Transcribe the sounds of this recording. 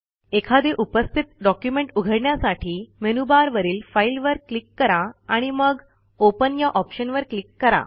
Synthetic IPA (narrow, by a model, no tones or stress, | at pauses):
ekʰad̪eʔupəst̪ʰit̪̚ɖɔkjumeɳʈuɡʱəɽɳjasaʈʰiːmenubaɾʋəɾiːlfailʋəɾklikːəɾaaɽ̃iməɡ | opənjaʔɔpɕənʋəɾklikːəɾa̰